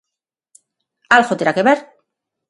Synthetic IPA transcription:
alɣot̪eɾakeβeɾ

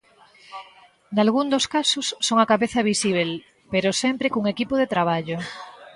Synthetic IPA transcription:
nalɣund̪oskasosːoŋakaβeθaβisiβ̞el | peɾosempɾekuŋekipoðet̪ɾaβ̞aʎo

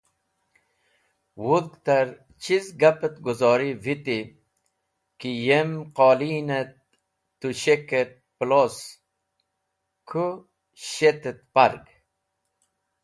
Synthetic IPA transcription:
wud̪ɡt̪aɾ | t͡ɕizɡapet̪ɡuzɔːɾivit̪i | kijemqɔːliːnet̪̚ː | uɕeket̪̚plos | kʰu | ɕet̪et̪̚paɾɡ

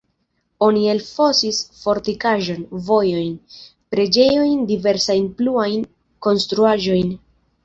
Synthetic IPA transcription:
o̞nie̞lfo̞sisfo̞ɾtikaʒo̞nvo̞jo̞jn | pɾe̞d͡ʒe̞jo̞jndive̞ɾsajnpluajn | ko̞nstɾuaʒo̞jn

